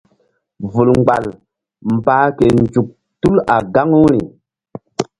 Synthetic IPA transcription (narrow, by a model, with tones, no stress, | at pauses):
vu˨lŋ͡mɡ͡ba˨l | mbaː˨˦ke˨nd͡ʒu˨k̚ | tu˦la˨ɡa˦ŋu˦ɾi˨